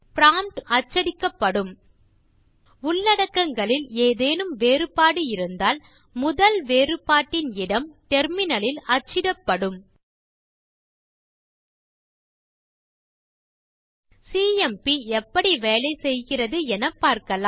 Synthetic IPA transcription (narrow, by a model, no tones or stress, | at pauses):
pɪɾaːmʈɐt͡ʃːɐɽɪkːɐpːɐɽɯm | ʊɭːɐɽɐkːɐŋɡɐɭɪleːðeːnɯmʋeːrɯpaːɽɯɪɾɯnd̪aːl | mʊðɐlʋeːrɯpaːʈːɪnɪɽɐmʈɛɾmɪnɐlɪlɐt͡ʃːɪɽɐpːɐɽɯm | siːɛmpiɛpːɐɽiʋeːlɐɪsɛjɣɪrɐðɯɛnɐpːaːɾkɐla